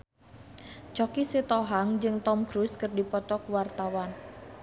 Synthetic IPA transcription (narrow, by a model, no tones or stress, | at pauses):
t͡ʃɔkiset̪ɔɦaŋd͡ʒɨŋt̪ɔmɡɾuskɨrdipɔt̪ɔkwart̪awan